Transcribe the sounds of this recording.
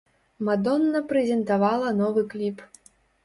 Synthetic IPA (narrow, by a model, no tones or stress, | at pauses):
mad̪ɔnːɐpɾɛzʲɛnt̪avalˠɐnɔvɨklʲip